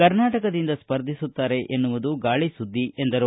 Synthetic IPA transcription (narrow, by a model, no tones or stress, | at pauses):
kɐɾnaːʈɐkɐd̪ind̪ɐspɐɾd̪ʱisut̪ːaːɾe̞ʔenːuʋud̪uɡaːɭisud̪ʱːiʔe̞nd̪ɐɾu